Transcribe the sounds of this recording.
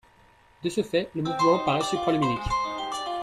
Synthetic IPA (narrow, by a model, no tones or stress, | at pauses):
d̪əsəfɛləmuvmɑ̃paʁɛsipχɔliminikʲ